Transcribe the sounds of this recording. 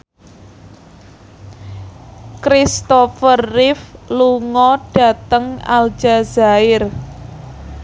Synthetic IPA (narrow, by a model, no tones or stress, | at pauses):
kɾist̪ɔfərːɪfluŋɔɖ̥a̤t̪əŋa̰ld͡ʒazaɪr